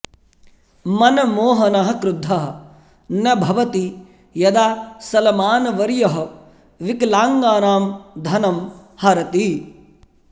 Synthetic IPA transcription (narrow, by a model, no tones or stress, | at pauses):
mɐnɐmoːɦɐnɐɦɐkɾud̪ʱːɐɦɐ | njɐbʱɐʋɐt̪i | jɐd̪aːsɐlɐmaːnɐʋɐɾjɐɦɐ̆ | ʋiklaːŋɡaːnaːmd̪ʱɐnɐmhɐɾɐt̪i